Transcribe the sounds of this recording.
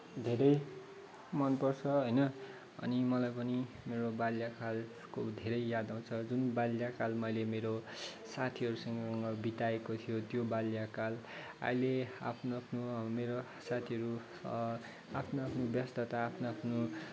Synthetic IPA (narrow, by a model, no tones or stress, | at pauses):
d̪ʱeɾʌj | mʌnpʌrt͡sʰʌɦʌjnʌ | ʌ̰nimʌlajpʌni | meɾobaljakʰal | kod̪ʱeɾʌjjad̪aw̃t͡sʰʌd͡zunbaljakalmʌjlemeɾo | sat̪ʰiʌɾusʌŋɡʌʌŋɡʌbit̪aekot̪ʰijot̪jobaljakal | a̰jlea̰pʰnoapʰnomeɾo | sat̪ʰiʌɾu | apʰnoapʰnobjʌst̪ʌt̪aːpʰnoapʰno